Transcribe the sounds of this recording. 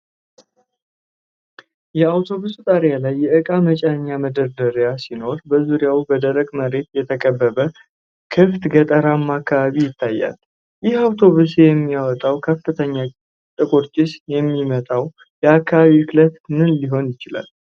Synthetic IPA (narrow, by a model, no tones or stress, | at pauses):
jɛawt̪ʰo̞βusut̪ʼaɾjalajːɛʔɨkʼamət͡ʃʼɛnɲːaməd̪əɾd̪əɾjasino̞ɾbəzuɾjawubəd̪əɾəɡməɾe̞t̪jɛt̪ʰəkʼəbːəβə | kʰɨft̪ɡət̪ʼəɾamːakʰːaβaβijɪt̪ʰːajːa̰l | jɪhawt̪ʰo̞βusjɛmːijawɔt̪ʼawkʰəfːɨt̪ʰəɲːa | t̪ʼɨkʼoɾt͡ʃʼɪsjɛmːimət̪ʼaw | jɛakʰːaβaβiɨklət̪mɨnliɦo̞njɪt͡ʃɪla̰l